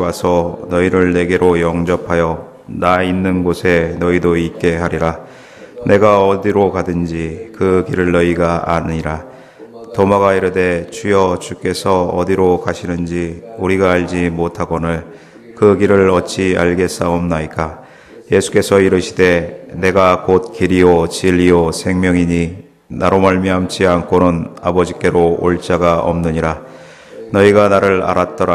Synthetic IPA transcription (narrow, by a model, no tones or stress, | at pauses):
wasʰʌnʌiɾɯɭne̞ɡe̞ɾojʌŋd͡ʑʌpʰajʌ | nainːɯnɡosʰe̞nʌidoip̚k͈e̞ɦaɾiɾa | ne̞ɡaʌdiɾokadɯnd͡ʑikɯkiɾɯɭnʌiɡaa̰ɲiɾa | tomaɣaiɾɯde̞t͡ɕujʌt͡ɕuk͈e̞sʰʌʌ̰diɾokaɕʰinɯnd͡ʑiuɾiɡaːɭd͡ʑimotʰaɡonɯɭ | kɯɡiɾɯɭʌt͡ɕ͈ʰia̰ɭɡe̞s͈aomnaik͈a | je̞sʰu̥k͈e̞sʰʌiɾɯɕʰide̞ne̞ɡakot̚kiɾiot͡ɕiʎːiosʰe̞ŋmjʌŋiɲi | naɾomaɭmiamt͡ɕ͈ʰiankonɯnabʌd͡ʑik͈e̞ɾooɭt͡ɕ͈aɡaʔʌ̰mnɯɲiɾa | nʌiɡanaɾɯɭa̰ɾat̚t͈ʌɾa